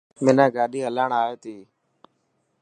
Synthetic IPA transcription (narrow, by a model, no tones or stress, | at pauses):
mɪnaːɡaːɗiːɦəlaːɳaːeːt̪iː